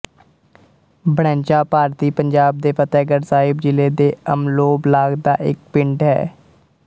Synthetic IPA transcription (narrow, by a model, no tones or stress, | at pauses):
bəɽɛ̃ːɲt͡ʃaːpaːɾt̪iːpəɲd͡ʒaːb̚d̪eːpət̪ɛːɡəɾsaːɪbd͡ʒɪleːd̪eːəmloːblaːɡd̪aːʔɪk̚pɪɳɖɦɛ̰ː